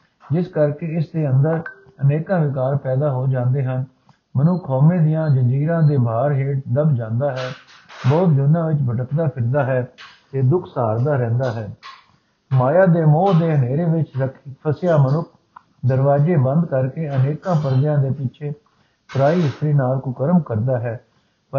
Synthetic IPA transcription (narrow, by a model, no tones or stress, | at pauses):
d͡ʒɪskəɾkeːɪsd̪eːənd̪əɾ | əneːkãːʋɪkaːɾpɛːd̪aːɦoːd͡ʒãːnd̪eːɦən | mənʊkʰːɔːmẽːd̪ɪjãːd͡ʒəɲd͡ʒiːɾãːd̪eːbʱaːɾɦeːʈ̚d̪əbd͡ʒãːnd̪aːɦɛː | bɔːt̪̚d͡ʒʊnːãːʋɪt͡ʃbʱəʈəkd̪aːpʰɪɾd̪aːɦɛːt̪eːd̪ʊkʰsaːɾd̪aːɾɛ̃ːnd̪aːɦɛː | maːjaːd̪eːmoːd̪eːɦəneːɾeːʋɪt͡ʃəkʰpʰəsjaːmənʊkʰ | d̪əɾʋaːd͡ʒeːbə̃nd̪kəɾkeːəneːkãːpəɾd̪jãːd̪eːpɪt͡ʃʰeː | pɾaːiːɪst̪ɾiːnaːlkʊkəɾəmkəɾd̪aːɦɛː | p